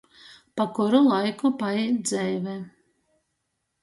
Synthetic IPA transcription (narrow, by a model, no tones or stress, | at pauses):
pakuɾulˠajkupajɛd̪zɛjvɛ